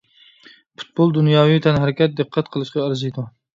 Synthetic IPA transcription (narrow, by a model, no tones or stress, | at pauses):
pʰu̥t̪̚bolˠd̪unjɑːwijt̪ʰɛnɦæɾɪkʲɛt̪̚d̪ɨqʰːæt̪qʰəlˠɨʃqɑæɾzijd̪u